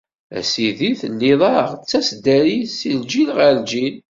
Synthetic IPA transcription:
æ̰siðiθənːiðˤɑʁt͡sːæsd̪æɾisild͡ʒilʁæld͡ʒil

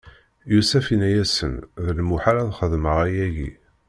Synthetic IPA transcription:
jusæfinæjæsə̰nðəlmuħaɾæðχəðməʁæjæʝḭ

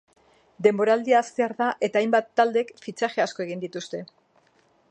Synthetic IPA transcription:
d̪e̞mbo̞ɾald̪iaːst̪e̞aɾðaʔe̞t̪aːjmbat̪ːald̪e̞kfit͡ʃaʝe̞asko̞e̞ɣ̞ind̪it̪ust̪e̞

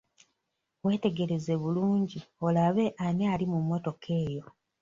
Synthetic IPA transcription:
we̞ːte̞ɡe̞ɾe̞ze̞βuluːɲɟio̞laβe̞ʔanealimumːo̞to̞kʰe̞ːjo̞

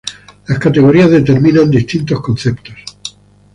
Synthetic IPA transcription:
laskat̪e̞ɣ̞oɾiazðe̞t̪e̞ɾmĩnãnd̪ist̪int̪o̞skon̟θe̞pt̪os

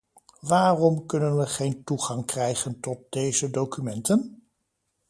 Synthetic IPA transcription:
ʋaːrɔmkɵnənʋəχejntuχɑŋkrɛjχəntɔt̚d̥ejzədowkymɛntən

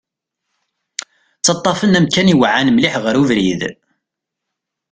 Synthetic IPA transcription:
t͡sːɑt̪ˤːɑfənæmkæniwʕanmliħʁəɾuvɾið

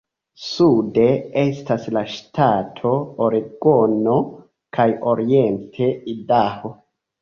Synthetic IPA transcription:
sude̞e̞staslaʃtatʰo̞oɾiɡono̞ | kʰajo̞ɾie̞ntʰe̞idaho̞

